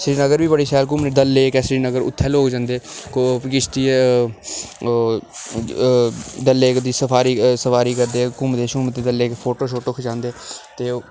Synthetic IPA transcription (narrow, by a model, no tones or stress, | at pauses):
sɾiːnəɡəɾbiːbəɽiːsɛːlkʊːmneːd̪əlːeːkɛːsɾiːnəɡəɾʊ̰t̪ʰːɛːloːkd͡ʒãːnd̪eːkokɪt͡ʃʰt̪i | d̪əlːeːkd̪iːsəpʰaːɾiːsəpʰaːɾiːkəɾd̪eːkʊːmt̪eːʃuːmt̪ːeːd̪əleːkpʰoːʈoːʃoːʈoːkʰəd͡ʒãːnd̪eːt̪eː